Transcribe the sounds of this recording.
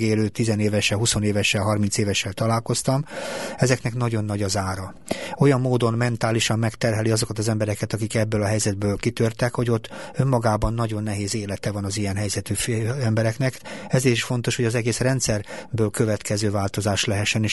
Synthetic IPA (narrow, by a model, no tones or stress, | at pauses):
eːløːt̪ːizɛneːvɛʃɛlɦuso̞neːvɛʃɛlɦɒrmint̪seːvɛʃːɛlt̪ɒlaːlko̞st̪ɒmɛzɛknɛknɒɟo̞nːɒɟɒzaːɾɒ | o̞jɒmːoːd̪o̞nmɛnt̪aːliʃɒmːɛkt̪ɛrɦɛliɒzo̞kɒt̪ɒzɛmbɛɾɛkɛt̪ɒkikɛbːøːlɒɦɛjzɛd̪̚bøːlkit̪ørt̪ɛkho̞ɟo̞t̪ːø̞mːɒɡaːbɒnːɒɟo̞nːɛɦeːzeːlɛt̪ɛvɒnɒzijɛnɦɛjzɛt̪yfɛmbɛɾɛknɛkɛzeːɾiʃfo̞nt̪o̞ʃho̞ɟɒzɛɡeːsrɛnt̪sɛrbøːlkøvɛt̪kɛzøːvaːlt̪o̞zaːʃlɛɦɛʃːɛneːʃ